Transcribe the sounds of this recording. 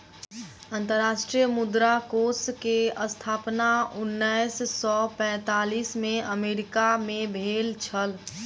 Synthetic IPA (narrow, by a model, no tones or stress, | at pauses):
ə̃nt̪əɾːaʃʈɾijəmud̪ɾakoskeəst̪ʰaːpnaunːəjssɔpɛ̃ːt̪aːlismẽəmeɾikamẽbʱeːlt͡ʃʰəl